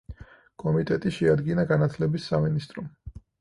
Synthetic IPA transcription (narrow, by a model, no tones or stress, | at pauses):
kʼɔmit̪ʼɛt̪ʼiʃɛad̪ɡinaɡanat̪ʰlɛbisːaminist̪ʼɾɔm